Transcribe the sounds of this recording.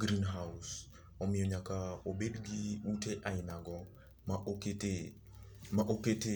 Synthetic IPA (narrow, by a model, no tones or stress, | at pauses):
ɡɾinɦaʊs | ɔmɪjɔɲakaobedɡiuteʔaɪnaɡɔ | makte | maʔokete